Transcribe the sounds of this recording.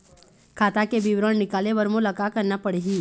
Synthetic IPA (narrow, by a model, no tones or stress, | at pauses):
kʰaːt̪akebiwɾəɽ̃nɪkaːleʋəɾmõlɐkakɐɾnapəɽeːɦĩː